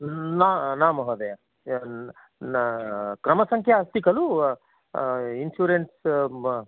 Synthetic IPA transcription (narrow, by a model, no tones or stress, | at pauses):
nanaːmɐɦɐd̪e | kɾɐmɐsɐŋkʰjɐɐst̪ikɐlu | insjuːɾenʈs